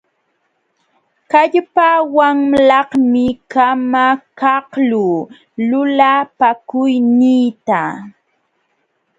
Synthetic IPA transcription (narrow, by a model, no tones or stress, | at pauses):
kaʎpawaŋlɑhmɪkamakɑhluː | lʊlapakʊjnɪːt̪a